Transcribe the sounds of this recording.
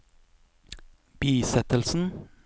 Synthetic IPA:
b̥iːsɛt̪əlsn̩

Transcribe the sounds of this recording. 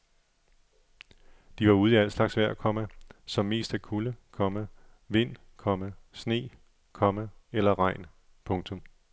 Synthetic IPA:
d̥iʋɑ̈uːð̞ˠiæl̰slɑ̈ɡ̥sʋæɐ̰ækʰɒ̽məsɒ̽mːe̝̰ːsd̥ækʰuləkʰɒ̽mə | ʋe̝n̰ | kʰɒ̽məsne̝̰ː | kʰɒ̽məelɐʁɑ̈ɪ̰n | pʰɔ̽ŋt͡sʰɔ̽m

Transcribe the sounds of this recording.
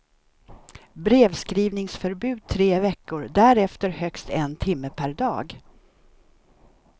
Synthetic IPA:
bɾeːvskɾiːvnɪŋsfœɾbʉ̟ːd̪̚t̪ʰɾeːvɛkːʊɾd̪æɾɛft̪əɾhœkst̪ɛnt̪ʰɪmːəpʰæɾɖ̪ɑ̰ːɡ

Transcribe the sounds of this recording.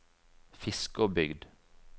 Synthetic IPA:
fɪskoːbʏɡd̪

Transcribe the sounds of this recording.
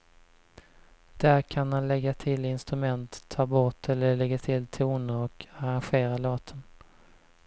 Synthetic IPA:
d̪̥æɾkʰanhanlɛɡːat̪ʰɪlɪnst̪ɾɵmɛnt̪ʰːɑːbɔʈɛlːəɭɛɡat̪ʰɪlt̪ʰuːnəɾɔkaɾanɧeːɾaloːt̪ʰən

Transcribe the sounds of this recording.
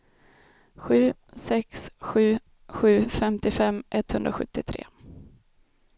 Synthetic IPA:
ɧʉ̟ːsɛksɧʉ̟ː | ɧʉ̟ːfɛmt̪ɪfɛmːʔɛt̪ːhɵnd̪ɾaɧɵ̰t̪ːɪt̪ʰɾḛː

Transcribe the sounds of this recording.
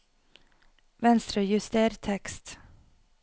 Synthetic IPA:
ʋɛnst̪ɾʉːjʉst̪eːɾt̪ʰɛkst̪

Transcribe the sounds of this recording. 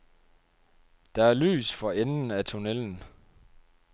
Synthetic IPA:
d̥ɑ̈æɐly̰ːsfɒ̽enn̩æt͡sʰo̝neln̩

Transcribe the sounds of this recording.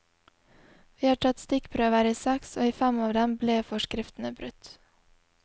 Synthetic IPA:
ʋiːhɑːʈʰɑt̪st̪ɪkpʰɾøːʋəɾiːsɛkso̰ːiːfæmɑːʋd̪ɛmbleːfɔʃkɾɪft̪n̩əbɾʉt̪

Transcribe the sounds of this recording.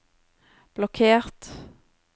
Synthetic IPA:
b̥lɔkʰeːʁt̪

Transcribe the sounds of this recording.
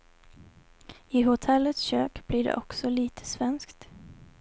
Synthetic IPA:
ɪɦʊt̪ʰɛlːət̪sɕøːkb̥lɪɖɛ̰ʔɔksɔliːt̪ʰə̥svɛnskt̪

